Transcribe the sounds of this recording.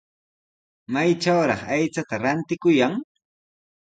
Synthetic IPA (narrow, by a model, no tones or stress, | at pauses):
majʈ͡ʂawɾɑ̰χajt͡sat̪aɾant̪ɪkʊjaŋ